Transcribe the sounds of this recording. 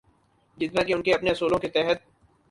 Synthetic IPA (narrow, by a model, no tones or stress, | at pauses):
d͡ʒɪt̪nãːkeʊnkeɐpneɐsuːlõket̪ɛɦət̪̚